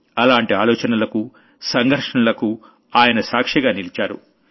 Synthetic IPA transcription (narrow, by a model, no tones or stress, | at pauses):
ɐlaːɳʈiaːlɔːt͡ʃɐnɐlɐku | sɐŋɡʱɐɾʂɐɳɐlɐku | aːjɐnɐsaːkʂiɡaːnilit͡ʃaːɾṵ